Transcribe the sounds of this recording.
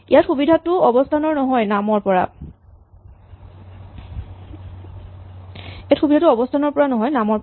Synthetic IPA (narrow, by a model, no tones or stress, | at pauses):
ijatxubidʱatʊɔbɔstʰanɔɹnɔɦɔjnamɔɹpɔɹa̰ | etxubidʱatuɔbɔstʰanɔɹpɔɹanɔɦɔjnamɔɹ